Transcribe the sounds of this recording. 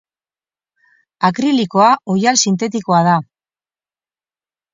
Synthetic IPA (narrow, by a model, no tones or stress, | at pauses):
akɾiliko̞aʔojalsint̪e̞t̪iko̞aða